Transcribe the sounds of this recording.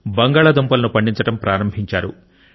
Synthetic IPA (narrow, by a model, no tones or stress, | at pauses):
bɐŋɡaːɭɐd̪ompɐlɐnupɐɳɖiɲt͡ʃɐʈɐmpɾʔaːɾɐmbʱiɲt͡ʃaːɾṵ